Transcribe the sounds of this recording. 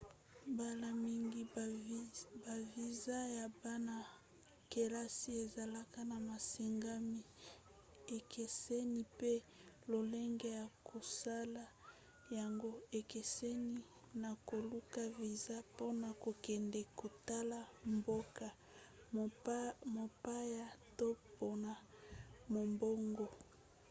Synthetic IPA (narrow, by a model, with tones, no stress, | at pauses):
ba˦la˨mi˦ŋɡi˦ | ba˨vi˨za˦ja˨ba˦na˨ | ke˨la˦si˦e˨za˨la˦ka˦na˨ma˨si˨ŋɡa˦mi˦ | e˨kʰe˨se˦ni˦pe˦ | lo˨le˦ŋɡe˦ja˨kʰo˨sa˦la˨ | ja˨ŋɡo˦e˨ke˨se˦ni˦ | na˨ko˨lu˦ka˦vi˨za˦po˦na˨ko˨kɛ˨ndɛ˨ko˨ta˦la˨mbo˦ka˨ | mo˨pa˦ja˦to˦po˦na˨mo˨mbo˦ŋɡo˨